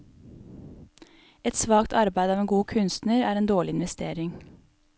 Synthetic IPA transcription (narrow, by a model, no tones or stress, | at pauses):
ɛt̪sʋɑːkt̪ʰɑɾbæɪd̪ɑːʋeːnɡuːkʰʉnst̪nəɾæːɾeːnd̪oːɭɪɪnʋɛst̪eːɾɪŋ